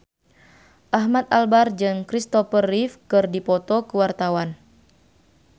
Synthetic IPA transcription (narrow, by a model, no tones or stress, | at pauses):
ʔaɦmat̪albard͡ʒɨŋkɾist̪ɔfərifkɨrdipɔt̪ɔkəwart̪awan